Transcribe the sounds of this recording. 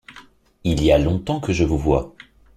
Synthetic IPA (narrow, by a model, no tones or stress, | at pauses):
ilialɔ̃t̪ɑ̃kəʒəvuvwa